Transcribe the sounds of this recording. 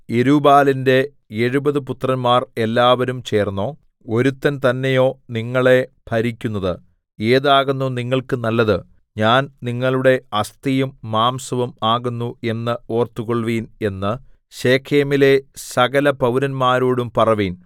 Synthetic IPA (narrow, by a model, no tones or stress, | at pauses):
eɾubaːlinde̞ | eɻubɐðɨput̪rɐnmaːre̞lːaːʋɐɾumt͡ɕe̞ːrnːo̞ː | o̞ɾut̪ːɐnt̪ɐnːe̞jo̞ːniŋːɐɭe̞bʰʱɐɾikʲːunːɐðɨ | e̞ːðaːɣunːuniŋːɐɭkɨnɐlːɐðɨ | ɲaːnniŋːɐɭuɽe̞ɐst̪ijumːaːmsɐʋumaːɣunːue̞nːɨo̞ːrt̪uɣoɭʋiːne̞nːɨ | ɕeːkʰeːmile̞sɐɣɐlɐpɐwɾɐnmaːɾoːɽumpɐrɐʋiːn